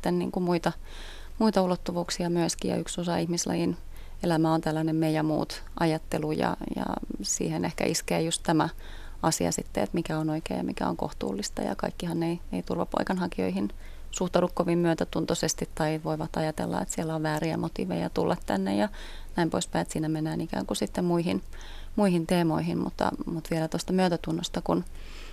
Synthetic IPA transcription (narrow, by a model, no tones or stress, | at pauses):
t̪ːennḭːŋkumuit̪ɑ | muit̪ɑulot̪ːuʋuːksiɑmyøskijɑ̰yksosɑihmislɑ̰jin | elæmæont̪ælːænemmeijæmṵːt̪ | ʔɑjɑt̪ːelujɑ̰jɑ̰sḭːhenehkæ̰ʔiskḛːjust̪t̪æmæ | ɑsiɑ̰sit̪ːeet̪mikæonoikḛːjɑ̰mikæ̰o̰ŋko̰ht̪ṵːlːist̪ɑ̰jɑ̰kɑ̰ikːihɑnːeineit̪urʋɑpo̰ikɑnhɑkio̰ihin | suht̪ɑɾukkoʋimmyøt̪æt̪unt̪osest̪it̪t̪ɑiʋoiʋɑt̪ɑjɑt̪ḛlːɑ̰et̪siɛlːæoʋʋæːɾiæ̰mot̪ḭːʋejɑt̪ulːʔɑt̪tænːḛjɑ | næimpoispæiet̪siːnæmenːæːnikæ̰ːŋkusit̪ːemmuiɦin | muihint̪eːmo̰iɦinmṵt̪ːɑ̰mut̪ʋielæt̪ost̪ɑmyøt̪æt̪unːost̪ɑkun